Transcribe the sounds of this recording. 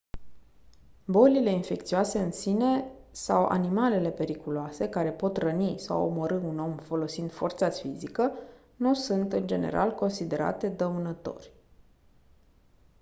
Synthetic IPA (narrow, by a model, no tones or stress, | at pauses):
bo̞lile̞infe̞kt̪sioase̞ɨnsine̞sawʔa̰nimale̞le̞pe̞ɾikuloase̞kaɾe̞po̞t̪rənisa̰wo̰moɾɨuno̞mfo̞lo̞sind̪̥fort̪safizikə | nusunt̪ɨnd͡ʒe̞̰nḛɾʔa̰lko̞nsid̪e̞ɾa̰t̪e̞d̪əunət̪o̞̰rʲ